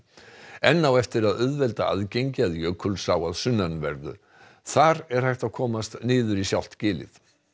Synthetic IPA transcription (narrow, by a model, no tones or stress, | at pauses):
ɛnːawɛft̪ɪɾaðʏðvɛlt̪aa̰ðcejɲcɪaðjœkʰʏlsaːwaðsʏnːanvɛɾðʏ̰ | θaɾɛɾ̥hajht̪akʰɔːmast̪nɪːðʏɾisjawl̥t̪cɪːlɪ̰θ